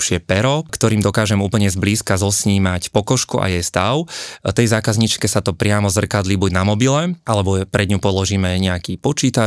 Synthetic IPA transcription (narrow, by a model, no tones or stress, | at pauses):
ʃɪɛpɛɾɔkt̪ɔɾiːmd̪ɔkaːʒɛmuːpl̩ɲɛzbliːskazɔsɲiːmacpɔkɔʃkuʔa̰jɛjst̪aʊt̪ɛjzaːkazɲit͡ʃkɛsat̪ɔpɾɪamɔzr̩kad̪libuɟnamɔbilɛʔalɛbɔpɾɛd̪ɲupɔlɔʒiːmɛɲɛakipɔt͡ʃiːt̪a